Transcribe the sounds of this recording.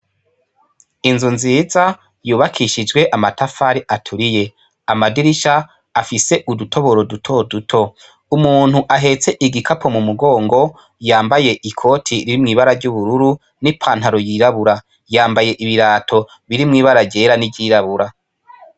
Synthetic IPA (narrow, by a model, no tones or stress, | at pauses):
inzunziːza | juːβakʰiʃid͡ʒɡwe̞ʔamatʰafaɾiʔatʰuɾije̞ | amadiɾiʃaː | fise̞ʔudutʰo̞βo̞ɾo̞dutʰo̞dutʰo̞ | umuːn̥huʔaɦe̞t͡se̞ʔiɡikʰapʰo̞mumuɡo̞ːŋɡo̞ | jaːmbaje̞ʔikʰo̞ːtʰiɾiɾimŋiːβaɾaɾɟuβuɾuɾu | nipʰaːn̥haɾojiːɾaβuɾa | jaːmbaje̞ʔiβiɾaːtʰo̞ | βiɾimŋiːβaɾaɟe̞ːɾanibɟiːɾaβuɾa